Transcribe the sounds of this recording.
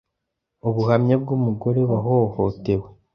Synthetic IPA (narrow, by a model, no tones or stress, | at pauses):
uβuhamɲeb̚ɡumuɡo̞ɾe̞βaɦoho̞te̞we̞